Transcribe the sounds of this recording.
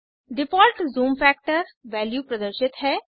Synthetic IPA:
ɖɪpɔːɾʈzuːmfɛːk̚ʈəɾʋɛːljuːpɾəd̪əɾʃɪt̪ɦɛː

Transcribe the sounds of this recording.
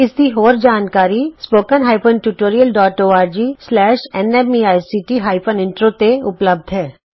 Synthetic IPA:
ɪsd̪iɦoːɾd͡ʒaːnkaːɾispoːkənɦaːɪpənʈuʈoːɾijəlɖɔːʈoːaːɾd͡ʒiːslɛːʃɛnɛmiaːjsiːʈiɦaːɪpʰənɪ̃ɳʈɾot̪eʊpləb̚d̪ʱɦɛː

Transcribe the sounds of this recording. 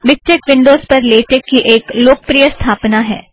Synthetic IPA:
ʋɪk̚ʈɪkʋɪ̃ɳɖoːzpɐɾleːʈekːiʔeːkloːk̚pɾijəst̪ʰaːpnaɦɛ̰ː

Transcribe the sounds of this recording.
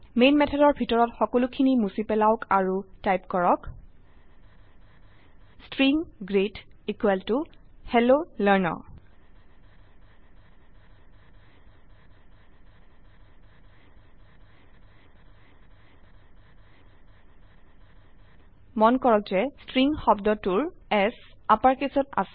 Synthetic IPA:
menmɛtʰɛdɔɹbʱitɔɹɔtxɔkolukʰinimusipɛlaʊkaɹutajpkɔɹɔk | stɹiŋɡɹetikwɛltʊhɛlolɛɹnɔ̰ | mɔnkɔɹɔk̚zɛstɹiŋxɔbdɔtuɹɛsapaɹkesɔta̰s

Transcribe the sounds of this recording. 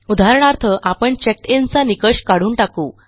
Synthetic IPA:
ud̪ʱaɾɳaɾt̪ʰəʔapəɳt͡ɕek̚ʈent͡sanikəɕkaɽ̤uːnʈakuː

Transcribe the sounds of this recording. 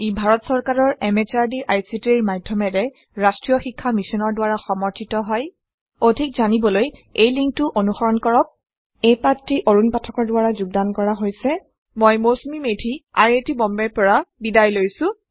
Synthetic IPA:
ibʱaɹɔtsɔɹkaɹɔɹɛmɛt͡ʃaɹdiʔajsitiɹmadʱjɔmɛdɛ | ɹastɹijɔxikʰːamisɔnɔɹdʊwaɹaxɔmɔɹtʰitɔɦɔj | odʱikzanibɔlojejliŋk̚tʊʔonuxɔɹɔnkɔɹɔp̚ | ejpatɹiʔoɹunpatʰɔkɔɹdʊwaɹazuɡ̚dankɔɹaɦojsɛ | mojmosmimedʱiaɹetibɔmbɛɹpɔɹabidajlojsʊ̃

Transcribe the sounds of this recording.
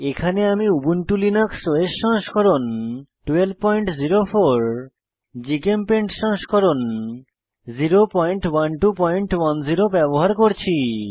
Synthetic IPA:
ekʰaneamiubunʈulinaksoeʃɔŋʃkɔɾonʈuelb̚pɔjɳʈziɾofʰoɾ | d͡ʑikempeɳʈʃɔ̃ŋʃkɔɾon | ziɾopɔjɳʈwanʈupɔjɳʈwanziɾobɛboɦaɾkoɾt͡ɕʰi

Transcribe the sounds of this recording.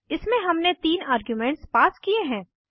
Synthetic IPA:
ɪsmẽɦɐmnet̪iːnaːɾɡjumɛ̃ːɳʈspaːskieɦɛ̃ː

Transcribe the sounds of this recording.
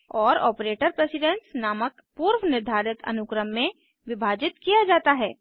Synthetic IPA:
ɔːɾɔːpɾeːʈəɾpɾesɪɖɛ̃nsnaːmək | puːɾwnɪɾd̪ʱaːɾɪt̪ɐ̰nʊkɾəmːẽ | ʋɪbʱaːd͡ʒɪt̪kijad͡ʒaːt̪aɦɛː

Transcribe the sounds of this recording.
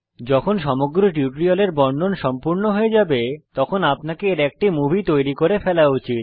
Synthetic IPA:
d͡ʑɔkʰonʃɔmoɡɾoʈuʈɾialeɾbɔnɳɖonʃɔmpuɾnoɦoed͡ʑabet̪ɔkʰonapnakeeɾɛk̚ʈimubʱit̪ojɾikoɾefɛlaut͡ɕit̪̚

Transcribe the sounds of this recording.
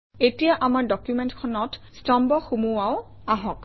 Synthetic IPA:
etijaʔamaɹdɔkjumentkʰɔnɔtstɔmbɔxumuwaʊ | aɦɔk

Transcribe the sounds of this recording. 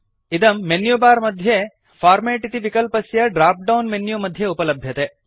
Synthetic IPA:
id̪ɐmːenjubaːɾmɐd̪ʱje | faːɾmeːʈit̪iʋikɐlpɐsjɐɖɾaːp̚ɖɐwnmenjumɐd̪ʱjeupɐlɐbʱjɐt̪e

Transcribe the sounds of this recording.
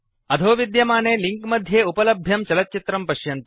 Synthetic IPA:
ɐd̪ʱoːʋid̪jɐmaːneːliŋkmɐd̪ʱjeːupɐlɐbʱjɐmt͡ʃɐlɐt̪̚t͡ʃit̪ɾɐmpɐʃjɐnt̪ɐ

